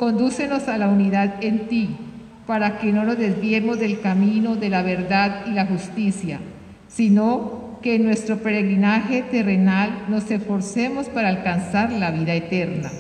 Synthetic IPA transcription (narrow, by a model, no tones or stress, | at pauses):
ko̞nd̪use̞no̞salauniðaðe̞nt̪i | paɾake̞no̞no̞zd̪e̞zβje̞mo̞zðe̞lkamino̞ðe̞laβ̞e̞ɾd̪aðilaxust̪isja | sino̞ke̞ːnːwe̞st̪ɾo̞pe̞ɾe̞ɣɾinaxe̞t̪e̞re̞nalno̞se̞sfo̞ɾse̞mo̞spaɾaːlkansaɾlaβiðaet̪eɾna̰